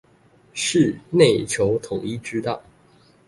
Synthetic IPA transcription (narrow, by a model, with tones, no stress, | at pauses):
ʂɻ̩˥˧ne˥˨˩ɪt͡ɕʰjo˧˥ʊt̪ʰo˨˩ʊi˥ʈ͡ʂɻ̩˥t̪ɑ̰˥˩ʊ